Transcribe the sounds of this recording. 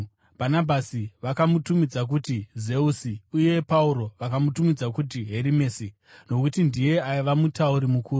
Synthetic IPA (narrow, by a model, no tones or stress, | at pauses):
b̥ʱanabʱasiʋakamutumid͡zak̬utize̞usiuje̞pauɾo̞ʋakamutumid͡zakut̬iɦeɾime̞ːsi | no̞kutindije̞aiʋamutauɾimukuːru